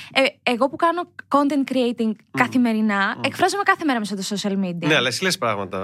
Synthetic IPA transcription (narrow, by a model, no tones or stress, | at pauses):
eeɣo̞pukɐno̞ko̞nt̪e̞nt̪̚kɾiejt̪iŋɡkɐθime̞ɾinɐe̞kfɾɐzome̞kɐθe̞me̞ɾɐmes̬ɐt̪oso̞siɐlmid̪iɐneɐlɐesilespɾɐɣmɐt̪ɐ̰